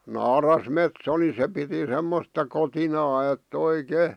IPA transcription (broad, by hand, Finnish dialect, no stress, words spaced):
nɑːrɑsmetso ni se piti semːostɑ kotinɑː etː oikeˑ